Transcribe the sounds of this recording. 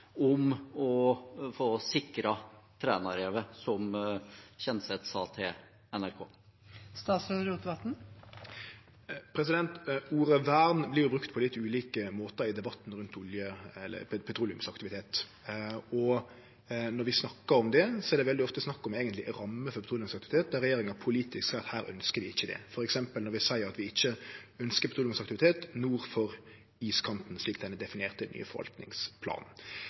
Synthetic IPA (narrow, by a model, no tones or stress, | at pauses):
ɔmɔfoːsɪkɾɑt̪ʰɾɛ̰ːnɑɾeːʋəsɔm | çɛnsɛt̪sɑːt̪ʰe | ɛnæɾkʰo̰ː | st̪ɑːt̪sɾɛd̪ɾuːt̪d̪ɑt̪n̩ | pʰɾɛs̬ɪd̪ɛnt̪uːɾəʋæʁnblɪɾjʊbɾʉkt̪pʰɔlɪt̪ːʉːliːkəmoːt̪əɾɪd̪ɛbɑt̪ːnɾʉnt̪ʊljəɛlːə̰pʰɛt̪ʰɾuːlɪʉmsɑkt̪ɪʋɪt̪ʰeːt̪ | ɔ | nɔɾʋɪsnɑkːəɾɔmd̪ɛsɔɛɾd̪ɛʋɛld̪ɪɔft̪əsnɑkːɔmeːɡənt̪lɪɾɑmːəfɔɾpɛt̪ɾulɪʉmsɑkt̪ɪʋɪt̪ʰeːt̪̚d̪æɾɛjeːɾɪŋəpʰʊliːt̪ɪsksæɪɾɑt̪hæːɾœ̰nskəɾʋɪɪçːəd̪ɛ̰fɔɾɛksɛmpəlɔɾʋɪsæɪəɾɑt̪ʋɪɪçːəœnskəɾpʰɛt̪ɾuːlʉmsɑk̚t̪ɪʋɪt̪ʰeːt̪nuːɾfɔɾ | iːskʰɑnt̪n̩sliːk̚d̪ɛnəd̪ɛfɪneːʁt̪ʰəɪny̰ːə̰fɔɾʋɑ̰lt̪nɪ̰ŋspʰlɑ̰ːnn̩